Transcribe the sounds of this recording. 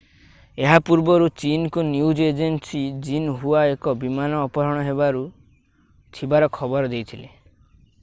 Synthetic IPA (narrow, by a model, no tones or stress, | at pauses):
eɦapuɾbɔɾut͡ʃinkunjud͡ʒed͡ʒensid͡ʒinɦuaekɔbimanɔːpɔɾɔɽ̃ɔɦebaɾu | t͡ʃʰibaɾɔkʰɔbɔɾɔd̪ejt̪ʰile